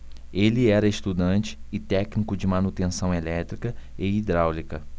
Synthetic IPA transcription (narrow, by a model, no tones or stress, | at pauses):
elɪɛɾɐest̪ud̪ɐ̃nt͡ʃɪ̥ːt̪ɛknikʊd͡ʒɪmɐnut̪ẽsɐ̃w̃elɛt̪ɾikɐɪid̪ɾawlikɐ